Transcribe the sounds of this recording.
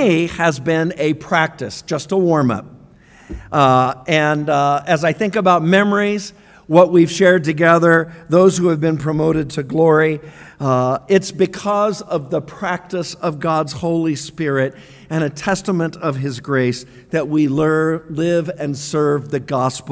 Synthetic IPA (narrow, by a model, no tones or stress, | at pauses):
ɨzbɪ̃nɨpʰɹ̥æk̚tɨsd̥ʒ̥ʌstəwɔɹmʌ̰p̚ | ɨ̃nɨzaɪθɪ̃ŋkɨbaʊt̚mɛmə˞iz | wʌt̚wiv̥ʃɛɹd̚tɨɡɛðə˞ðoʊz̥hʉɨvbɨ̃npʰɹ̥ɨmoʊɾɨd̚tʰɨɡlɔɹi | ɪtsb̥ɨkʰʌzʌvðəpʰɹ̥æk̚tɨsʌvɡɑdz̥hoʊlˠispɪɹɪɾ | ɨ̃ɾ̃ɨtʰɛstəmɨ̃ntʌv̥ɨzɡɹeɪs | ðɨt̚wilɜ˞lɪvɨ̃nsɜ˞vðɨɡɑspl̩ˠ